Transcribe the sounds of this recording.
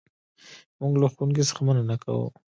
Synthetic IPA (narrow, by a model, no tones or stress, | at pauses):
mʊɡlaxunkisə̥xamananaka̰wṵ